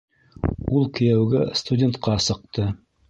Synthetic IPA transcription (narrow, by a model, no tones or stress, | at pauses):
ulˠkɘ̆jæwɡæst̪udʲent̪qɑsɤ̆q̚t̪ɤ